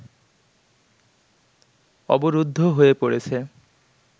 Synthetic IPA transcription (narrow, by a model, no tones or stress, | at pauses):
ɔ̰boɾud̪ʱːoɦoepoɽet͡ɕʰe